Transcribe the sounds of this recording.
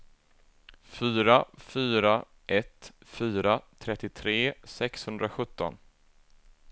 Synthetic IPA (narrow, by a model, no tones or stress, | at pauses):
fyːɾafyːɾa | ʔɛt̪fyːɾat̪ʰɾɛt̪ːɪt̪ʰɾeːsɛkshɵnd̪ɾaɧɵt̪ːɔ̰n